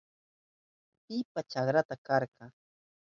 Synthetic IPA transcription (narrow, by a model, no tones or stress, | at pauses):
pɪpat͡ʃaχɾat̪akɑɾɢɑ